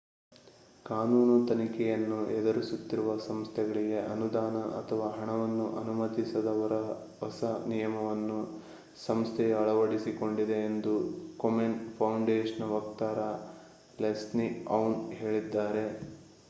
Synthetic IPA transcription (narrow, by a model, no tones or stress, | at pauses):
kaːnuːnut̪ɐnikɛjɐnːuɛd̪ɐɾisut̪ːiɾuʋɐsɐmst̪ʰɛɡɐɭiɡe̞ʔɐnud̪aːnɐʔɐ̰t̪ʰɐʋaːɦɐɳɐʋɐnːuʔɐnumɐt̪isɐd̪ɐʋɐɾɐ | ɦɐsɐnijɐmɐʋɐnːu | sɐmst̪ʰɛjɐɐɭɐʋɐɽisiko̞ɳɖid̪e̞ːnd̪ukomenpʰɐwɳɖeːʂɐnʋɐkt̪aːɾɐ | lesniɐwnɦe̞ːɭid̪ːaːɾe̞